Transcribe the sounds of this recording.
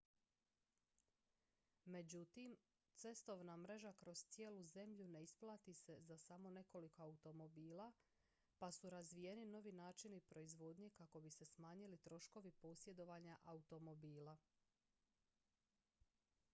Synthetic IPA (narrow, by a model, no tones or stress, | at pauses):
me̞d͡ʑut̪im | t̪se̞st̪o̞ʋnamɾe̞ʒakɾo̞z̥t̪sje̞ːluze̞mʎune̞isplˠaːt̪ise̞zasamo̞ne̞ko̞liko̞aut̪o̞mo̞biːla | pasuɾazʋije̞nino̞ʋinaːt͡ʃinipɾo̞izʋo̞d̪ɲe̞kako̞bise̞smaːɲilit̪ɾo̞ʃko̞ʋipo̞sje̞d̪o̞ʋaɲaʔaut̪o̞mo̞biːla